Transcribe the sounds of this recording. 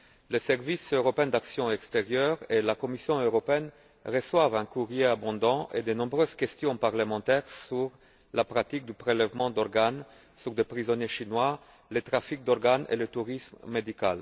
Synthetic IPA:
lesɛʁvisøʁɔpeɛ̃d̪aksjɔ̃ɛkst̪eʁjœʁelakɔmisjɔ̃øʁɔpeɛn | ʁəswavɛ̃kuʁjeabɔ̃d̪ɑ̃ʔed̪ənɔ̃bʁøzkʲɛst̪jɔ̃paʁləmɑ̃t̪ɛʁsyʁ | lapχat̪ik̚d̪ypχelɛvmɑ̃d̪ɔʁɡan | syʁd̪epχizɔnjeʃinwa | let̪χafik̚d̪ɔʁɡanʔḛlət̪uʁismːed̪ikal

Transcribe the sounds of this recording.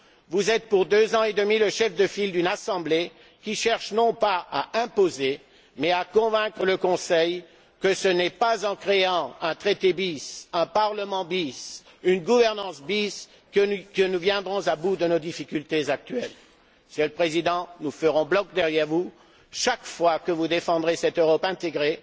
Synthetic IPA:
vuzɛt̪̚puʁd̪øzɑ̃ed̪əmiləʃɛfd̪əfild̪ynasɑ̃ble | kʲiʃɛʁʃnɔ̃paaʔɛ̃poze | mɛakɔ̃vɛ̃kχələkɔ̃sɛj | kəsənɛpazɑ̃kχeɑ̃ɛ̃t̪χet̪ebisɛ̃paʁləmɑ̃bis | ynɡuvɛʁnɑ̃sbis | kənuvjɛ̃d̪ʁɔ̃zabud̪ənod̪ifikʲylt̪ezak̚t̪ɥɛl | səlpχezid̪ɑ̃nufəʁɔ̃blɔk̚d̪ɛʁjɛʁvu | ʃakfwakəvud̪efɑ̃d̪ʁesɛt̪øʁɔpɛ̃t̪eɡʁe

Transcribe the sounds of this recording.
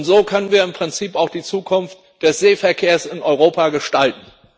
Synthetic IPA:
ʊntz̥oːkʰœnənviːɐɪmpʁ̥ɪnt͡siːpaʊxd̥iːt͡suːkʰʊnft | d̥ɛsz̥eːfɛɐkʰeːɐsɪnʔɔʏʁ̞oːpaɡəʃtaltn̩

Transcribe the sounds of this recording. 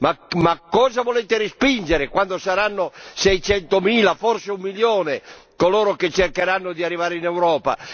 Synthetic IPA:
mamakːɔːzavoleːt̪eɾispind͡ʒeɾekwand̪osaɾanːosɛjt͡ʃɛnt̪omiːlafɔrseumːiljoːnekoloːɾoket͡ʃːerkeɾanːod̪iarːivaːɾeinɛwɾɔːpa̰

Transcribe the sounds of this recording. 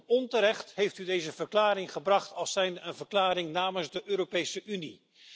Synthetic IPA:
ɔntəɾɛχtɦejftydejzəvəɹklaːɾɪŋχəbrɑχtɑlˠsɛjnəənvəɹklaːɾɪŋnaːmənzdəʔøːɾopejsəʔyni

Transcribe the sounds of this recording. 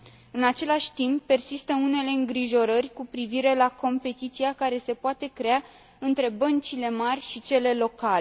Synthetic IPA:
ɨnat͡ʃe̞laʃʲt̪impːe̞rsist̪əune̞le̞ɨŋɡɾiʒo̞ɾərʲkupɾiviɾe̞lako̞mpe̞t̪it̪siakaɾe̞se̞poat̪e̞kɾe̞a | ɨnt̪ɾe̞bənt͡ʃile̞marʲʃit͡ʃe̞le̞lo̞kale

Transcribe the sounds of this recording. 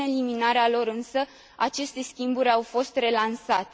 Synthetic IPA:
eliminaɾealo̞ɾɨnsə | at͡ʃe̞st̪e̞skʲimbuɾʲawfo̞st̪re̞lansat̪e

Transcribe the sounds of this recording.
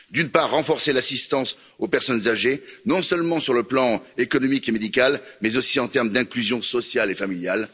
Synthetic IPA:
d̪ynpaʁːɑ̃fɔʁselasist̪ɑ̃s | opɛʁsɔnzaʒenɔ̃sœlmɑ̃syʁləplɑ̃ekɔnɔmikemed̪ikalmɛzosiɑ̃t̪ɛʁmd̪ɛ̃klyzjɔ̃sɔsjalefamiljal

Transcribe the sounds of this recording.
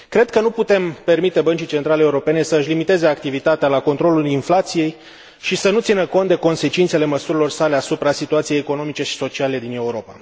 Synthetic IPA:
kɾe̞d̪̚kənuput̪e̞mpe̞rmit̪e̞bənt͡ʃijt͡ʃe̞nt̪ɾaleːuɾo̞pe̞ne̞səɨʃʲlimit̪e̞ze̞ak̚t̪ivit̪at̪ealako̞nt̪ɾo̞lulinflat̪sije̞j | ʃisənut̪sinəko̞nt̪d̪e̞ko̞nse̞t͡ʃint̪sele̞məsuɾilo̞rsale̞asupɾasit̪uat̪siejeko̞no̞mit͡ʃe̞ʃi̥so̞t͡ʃiale̞d̪ine̞uɾo̞pa̰

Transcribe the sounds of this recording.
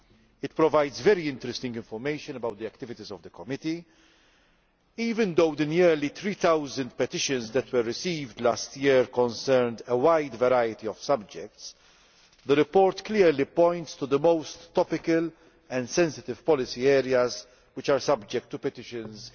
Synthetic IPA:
ɪt̪pɾɔvaɪd̪zvɛɾiɪ̃nt̪ɾɛst̪ɪ̃ŋɡɪ̃ɱfɔɾmeɪʃɨ̃nəbɐwt̪d̪iɛkt̪ɪvɪt̪izɔvd̪əkɔmɪt̪i | iːvɪ̃nd̪oʊd̪ənɛɾlit̪ɾiːt̪awzə̃nd̪̚pɛt̪ɪʃə̃nzd̪ɛt̪wəɾːɪsiːvd̪laːst̪jɪɾkɔ̃nsɛɾnd̪əwaɪd̪vɛɾajɪt̪iɔv̥sɐb̚d͡ʒɛk̚t̪s | d̪əɾɪpɔːɾt̪klɪɾlipɔ̃ɪ̃nt̪st̪ud̪əmoʊst̪ːɔpɪkəl | ɛ̃nd̪sɛ̃nsɪt̪ɪv̥pɔlɪsiɛːɾiɐz | wɪt͡ʃaːɾsɐbd͡ʒɛk̚t̪ːupɛt̪ɪʃə̃nz

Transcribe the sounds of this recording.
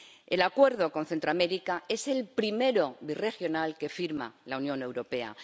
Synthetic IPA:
e̞lakwe̞ɾðo̞ko̞nθe̞nt̪ɾoame̞ɾikae̞se̞lpɾime̞ɾo̞βire̞xjo̞nalke̞fiɾma̰launjõ̞ne̞wɾo̞pe̞a̰

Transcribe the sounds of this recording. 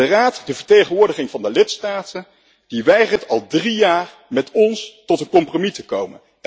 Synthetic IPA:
əraːtdəvəɹtejχənʋʊːɹdəχɪŋvɑndəlɪtstaːtən | d̥iʋɛjχəɹtɑlˠdrijaːɹ | mɛtɔnstɔtənkɔmpromitəkowmə̰n

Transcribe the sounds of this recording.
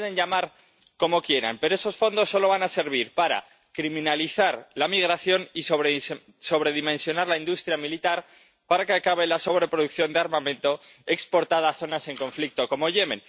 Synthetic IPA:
ðeɲʎamaɾ | ko̞mo̞kje̞ɾa̰mpe̞ɾo̞e̞so̞sfo̞nd̪o̞sːo̞lo̞β̞anase̞ɾβ̞iɾpaɾa̰ | kɾimĩnaliθaɾlamiɣ̞ɾaθjo̞nisoβ | so̞β̞ɾe̞ðimensjo̞naɾlaind̪ust̪ɾjamilit̪aɾ | paɾakeakaβ̞e̞laso̞β̞ɾe̞pɾo̞ðuk̚θjo̞nd̪eaɾmãmẽ̞nt̪o̞e̞kspo̞ɾt̪að̞aːθo̞nase̞ŋko̞ɱflik̚t̪o̞ko̞mo̞ʝe̞mẽ̞n

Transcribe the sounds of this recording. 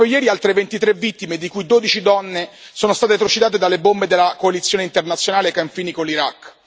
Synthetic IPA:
ojɛːɾialt̪ɾevent̪it̪ɾevːit̪ːimed̪ikujd̪oːd̪it͡ʃid̪ɔnːe | soːnost̪aːt̪et̪ɾot͡ʃid̪aːt̪̬ed̪alebombed̪elːakoalit̪sːjoːneint̪ernat̪sjonaːlekːaɱfiːnikolːiɾakː

